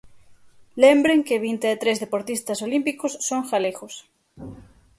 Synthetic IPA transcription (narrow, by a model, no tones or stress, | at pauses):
lembɾeŋkeβint̪eːt̪ɾezðepoɾt̪ist̪ɐsolimpikosːoŋxaleɣos